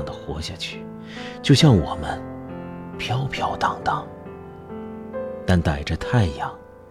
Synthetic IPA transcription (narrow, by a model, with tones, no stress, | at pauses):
ŋd̪ə˩xwɔ˧˥ɕja˥˧t͡ɕʰy˥˩ | t͡ɕjo˥˧ʊɕjɑ˥˩ŋwɔ˨˩mə˦n | pʰjɑ˥ʊpʰjɑ˥˩ʊt̪ɑ˨˩ŋt̪ɑ˥˩ŋ | t̪a˥˩nt̪a˨˩ɪʈ͡ʂə˦t̪ʰa˥˩ɪi˧jɑ˥˩ŋ